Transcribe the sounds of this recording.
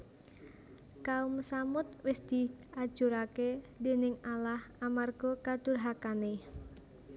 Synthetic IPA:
kaʊmsamʊt̪̚wɪsd̪̥i̤ʔad̥ʒ̥uɾakede̤nɪŋalahamarɡ̥ɔkad̪̥ʊ̤rɦakane

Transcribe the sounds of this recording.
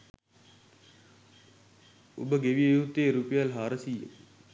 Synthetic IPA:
ubəɡeʋiejuɦut̪ːeːɾupejalɦaːɾəsijə̰k

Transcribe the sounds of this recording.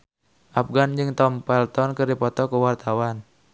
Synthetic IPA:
ʔafɡand͡ʒɨŋt̪ɔmpɛlt̪ɔnkɨrdipɔt̪ɔkuwart̪awan

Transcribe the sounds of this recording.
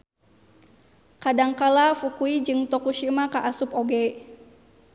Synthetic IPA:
kadaŋkalafukuid͡ʒɨŋt̪ɔkuʃimakaʔasupoɡɛ

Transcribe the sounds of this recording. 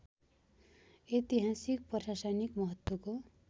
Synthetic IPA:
et̪iɦasik̚pʌrsasanikmʌɦʌt̪woko

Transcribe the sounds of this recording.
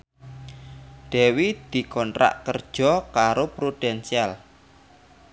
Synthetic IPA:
d̥ɛ̤wid̪̥i̤kɔnt̪ɾa̰ʔkərd̥ʒ̥ɔ̤kaɾopɾud̥ɛnsial

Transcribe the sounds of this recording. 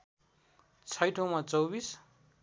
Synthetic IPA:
t͡sʰʌjʈʰowmat͡sʌwbis

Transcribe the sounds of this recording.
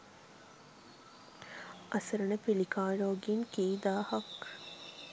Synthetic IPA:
ʔɐsɐɾɐnɐpilikaːɾoːɡiŋkiːd̪aːhɐk

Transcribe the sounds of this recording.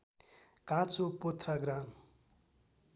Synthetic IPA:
kãt͡supot̪ʰraɡɾan

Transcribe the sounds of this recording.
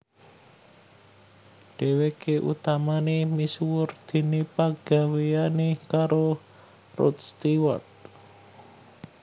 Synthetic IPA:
ɖ̥e̤wekeʔṵt̪amanemiswʊrd̪̥i̤nipaɡ̥a̤wejanekaɾo | rʊ̰t̪̚st̪iwa̰t̪̚

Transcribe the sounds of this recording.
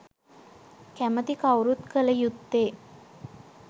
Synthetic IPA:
kæmət̪ikawɾut̪kələjut̪ːeː

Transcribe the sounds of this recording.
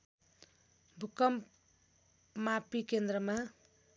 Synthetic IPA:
bʱukʌm | mapikend̪rʌma

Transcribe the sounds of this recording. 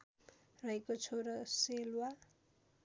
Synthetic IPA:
rʌɦekot͡sʰoɾʌselwa

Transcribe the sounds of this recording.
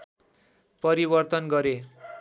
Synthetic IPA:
pʌɾibʌrt̪ʌnɡʌɾe

